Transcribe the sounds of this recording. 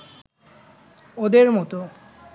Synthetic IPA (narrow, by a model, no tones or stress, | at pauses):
od̪eɾmɔt̪o